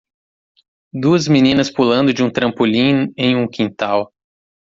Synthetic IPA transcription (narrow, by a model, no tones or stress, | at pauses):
d̪uɐzminĩnɐspulɐ̃nd̪ʊd͡ʒɪũt̪ɾɐ̃mpulĩẽj̃ũkĩnt̪aw